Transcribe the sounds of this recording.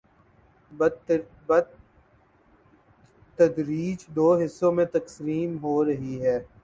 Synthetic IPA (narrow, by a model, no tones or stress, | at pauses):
bɐ | t̪ɐd̪ɾiːd͡ʒd̪oːɦɪsːõmẽt̪ɐksɾiːmɦoɾɐɦiɦɛː